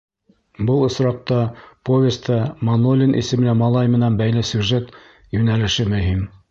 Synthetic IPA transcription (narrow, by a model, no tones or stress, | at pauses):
bɤlˠɤ̆sɾɑq̚t̪ɑpovʲest̪ʰɑmɐnolʲinʔḭsɘ̆mɘ̆læmɑlˠɑjmɘ̆nænbæjlɘsʲjuʒet̪ | jʉnælɘ̆ʃɘmɵ̆ɦim